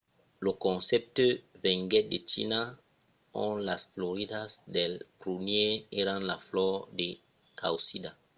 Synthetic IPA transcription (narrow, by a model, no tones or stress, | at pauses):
lokɔ̃nsɛp̚tevɛ̃ŋɡɛdet͡ʃḭna | ɔ̃nlasfloɾidasdelpɾunjeeɾãnlaflɔde | kawsida